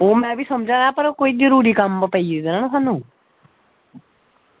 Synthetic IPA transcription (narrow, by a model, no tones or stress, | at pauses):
oːmɛ̃ːbiːsəmd͡ʒãːãːpəɾkoːiːzəɾuːɾiːkəməpəiːd̪eːnaːnsʰaːnũː